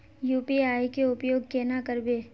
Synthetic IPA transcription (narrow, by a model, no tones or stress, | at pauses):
juːpiaːikeʊpjoːɡkeːnakəɾbeː